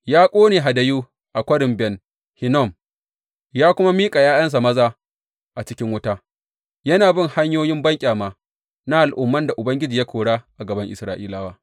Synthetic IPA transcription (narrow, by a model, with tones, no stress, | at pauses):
jaː˦kʷʼoː˦neː˨ɦa˨dɐ˨juː˦ | ʔa˨kʷɐ˦ɽɪ˨mbɛ˨n | hɪ˨nɔ˦˨m | jaː˦kʷʊ˦ma˦miː˦kʼa˨jaː˦jɐ˦ns̬a˨mɐ˦zaː˦ | ʔa˨t͡ʃɪ˦kʲɪ˦ŋwʊ˦ta˦ | jɐ˦naː˨bɪ˦˨ŋha˦ɲjoː˦jɪ˦mbɐ˦ŋkʲʼaː˨maː˨ | na˦ʔa˨lʔʊ˦mːɐ˦nda˨ʔʊ˨bɐ˦ŋɡʲɪ˦d͡ʒiː˨ja˦kʰʷoː˨ɽaː˦ʔa˨ɡɐ˨bɐ˦ŋʔɪ˨sɾaː˦ʔḭː˦laː˦waː˦